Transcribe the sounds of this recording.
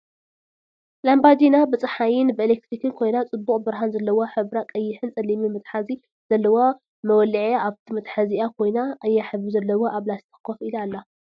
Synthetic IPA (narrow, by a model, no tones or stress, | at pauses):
lambad̪inabɨt͡sʼɨħajɪnbɨʔɨlek̚t̪ɾikʰɨnkʰo̞jnat͡sʼɨbːuχʼbɨɾɦanzɐlːɐwoħɨβɾakʼɐjːɪħɨnt͡sʼɐlːimimɨt̪ʼħazi | z̥ɐlːɐwo | mɐwɔlɨʕjaaβt̪ʰimɨt̪ʼħaziakʰo̞jnaːjːaħɨβɨzɐlːɐwoʔaβlast̪ʰɨ̥kʰːofilalːa